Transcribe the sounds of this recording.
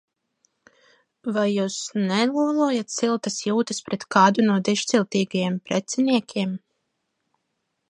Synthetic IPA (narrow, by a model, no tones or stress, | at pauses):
vajːuːsnɛlˠuɔlˠujat̪silˠt̪asjuːt̪ɐspɾɛt̪kaːd̪unuɔd̪iʃt̪silˠt̪iːɡajɛmpɾɛt̪sɛniɛkʲʰiɛm